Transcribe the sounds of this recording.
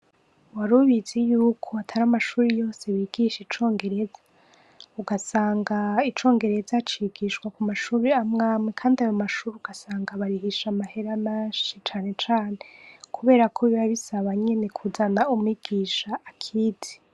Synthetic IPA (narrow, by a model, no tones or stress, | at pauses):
waɾuβizejuːkʰo̞atʰaɾamaʃuːɾijo̞ːse̞βiɡ̥iʃit͡ʃo̞ːŋɡe̞ɾe̞zḁ | uɡasaːŋɡait͡ʃo̞ːŋɡe̞ɾe̞zat͡ʃiːɡiʃkwakumaʃuːɾeamŋaːmwekʰaːndiajo̞maʃuːɾiuɡasaːŋɡaβaɾihiʃamahe̞ɾamaːʃit͡ʃaːne̞t͡ʃaːnekʰuβe̞ːɾakʰoβiβaβisaβaɲe̞nekʰuzanaumuiɡ̥iːʃaːkʰiːdi̥